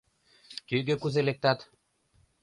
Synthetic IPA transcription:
kyɡø̆kuzelek̚t̪ɑt̪

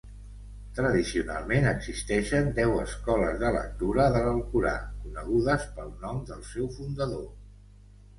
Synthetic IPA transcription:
t̪ɾəðisiuna̰lˠmenəɡz̥ist̪ɛʃənd̪ɛwəskɔləzðələ̰k̚t̪uɾəðələlkuɾa̰kunəɣ̞uðəspəlˠnɔmd̪əlˠsɛwfund̪əðo

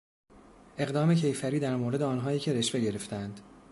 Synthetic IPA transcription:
ʔe̞ɣd̪ɒːme̞cʰe̞jfæɾiːd̪æɾmoːɾe̞d̪eɒːnɦɒːjiːcʲʰe̞ɾe̞ʃve̞ɟe̞ɾe̞ft̪ænd̪̥

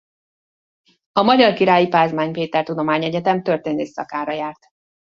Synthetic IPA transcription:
ɒmɒɟɒrkiɾaːjipaːzmaːɲpeːt̪ɛrt̪ud̪o̞maːɲɛɟɛt̪ɛmt̪ø̞rt̪eːnøːsɒ̰kaːɾɒjaːrt̪

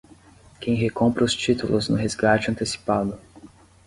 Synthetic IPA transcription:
kẽj̃ɦekõmpɾɐʊst͡ʃit̪ulʊznʊɦezɡat͡ʃɪɐ̃nt̪esi̥pad̪ʊ

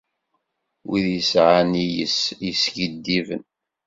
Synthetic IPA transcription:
wiðjəsʕanijə̰sjəsɡəd̪ːivə̰n

